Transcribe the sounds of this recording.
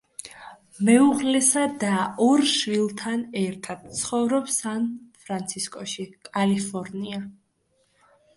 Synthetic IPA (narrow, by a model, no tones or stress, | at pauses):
mɛuʁlɛsad̪aɔɾʃvilˠt̪ʰanɛɾt̪ʰad̪̥̚t̪sʰχɔvɾɔpsanpʰɾant̪sʰiskʼɔʃikʼalipʰɔɾnia